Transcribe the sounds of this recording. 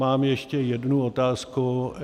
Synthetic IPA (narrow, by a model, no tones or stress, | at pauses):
aːmjɛʃcɛjɛdnuot̪aːsku